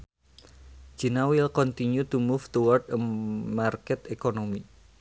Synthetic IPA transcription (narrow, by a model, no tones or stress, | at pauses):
d͡ʒ̥i̤nawilkɔnt̪iɲut̪umuft̪uward̪əmarkɛt̪ekonomi